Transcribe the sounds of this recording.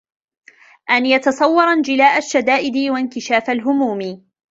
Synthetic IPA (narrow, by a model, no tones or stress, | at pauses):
ʔanjɑt̪ɑsˤɑwːɑɾˤand͡ʒɪlaːʔaʃːad̪aːʔɪd̪ɪwankɪʃaːfalɦʊmuːmɪ